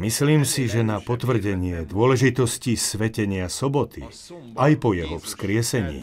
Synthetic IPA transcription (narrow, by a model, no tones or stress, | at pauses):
misliːmsiʒɛnapɔt̪ʋr̩ɟɛɲɪɛd̪ʊɔlɛʒit̪ɔscisʋɛcɛɲɪasɔbɔt̪ḭ | ʔajpɔjɛɦɔfskɾɪɛsɛɲḭː